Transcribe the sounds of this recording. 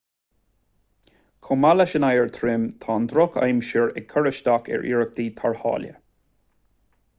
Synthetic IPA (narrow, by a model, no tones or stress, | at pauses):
kʰʊmalaʃənajəɹt̪ʰɾɪmt̪ʰɑːnd̪ɾʊkʰa̰jmʃɪɹɛ̰kʰəɹəʃd̪akʰɛ̰ɹʔḭːɹək̚d̪iːt̪ʰaɹhɑ̰ːljə̰